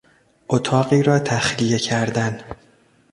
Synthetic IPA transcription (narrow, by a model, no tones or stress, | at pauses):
ʔot̪ʰɒːɢiːɾɒːt̪ʰæxlije̞cʰæɾd̪æn